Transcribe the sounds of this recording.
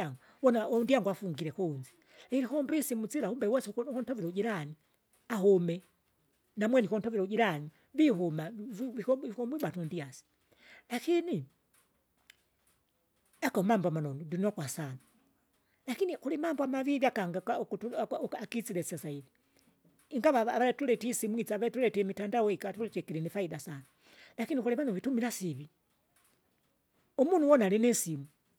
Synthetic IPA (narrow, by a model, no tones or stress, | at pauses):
aŋɡu | wɔnaɔndiaŋɡuafuŋɡiɾɛkɔnd͡ʒi̥ | iɾikɔmbisimut͡silaumbɛwɛskɔntɔviɾɛud͡ʒiɾani | aɦɔmɛ | namwɛnikɔntɔviɾɛuɟiɾani | viɦɔmaiɔkɔmbiɓatundiasi̥ | lakini | akamambɔamanɔnɔdunɔkwasana | lakinixulimaːmboamaβiβjakaŋɡakaokutuakit͡silesasaiβi | ŋɡaβaːβaletuletisimwit͡saβatuletemitandawoikatuletekiɾinifaidasana | lakinixuliβanoβitumilasiβi | omunuwonalinesimu